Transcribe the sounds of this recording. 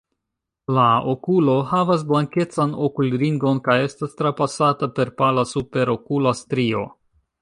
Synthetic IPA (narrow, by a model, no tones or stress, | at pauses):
laokulo̞havas̬blaŋke̞t͡sano̞kulɾiŋɡo̞nkaje̞stastɾapasatape̞ɾpalasupe̞ɾo̞kulastɾio̞̰